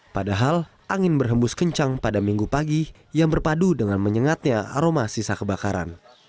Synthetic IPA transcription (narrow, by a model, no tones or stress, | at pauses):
padaɦal | ʔaŋɪnbərɦəmbʊskəɲt͡ʃaŋpadamiŋɡupaɡi | jaŋbərpadudəŋanməɲəŋat̪̚ɲaa̰ɾomasisakəbakaɾa̰n